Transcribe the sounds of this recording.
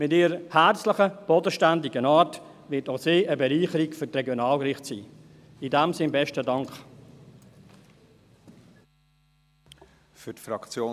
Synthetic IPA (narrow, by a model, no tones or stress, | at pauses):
mɪtiːɾəəhæt͡sləχəb̥ɔdəʃtændɪɡənaːt | ʋɪtoseːəbɛɾiːχəɾikfʏtrɛɡjonaːlkrɾɪχtsḭː | idɛmsɪnbɛʃtədɑŋk | fytfɾɑkt͡sjoː